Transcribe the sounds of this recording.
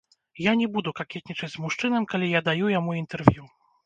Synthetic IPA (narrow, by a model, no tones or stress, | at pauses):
janʲɛbud̪ukakʲɛt̪ʲnʲit͡ʂɐd͡zʲzmuʂt͡ʂɨnɐmkalʲijad̪ajujamuint̪ɛrvʲju